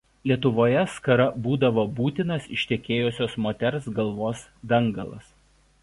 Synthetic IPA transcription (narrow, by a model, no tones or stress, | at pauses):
lʲiɛt̪̬ʊʋoːjɛskɐɾɐbuːd̪ɐʋoːbuːt̪ʲɪnɐsɪʃʲt̪ʲɛkʲeːjʊsʲoːsmoːt̪ʲɛɾsɡɐlˠʋoːs | d̪ɐŋˑɡɐ̰lˠɐ̰s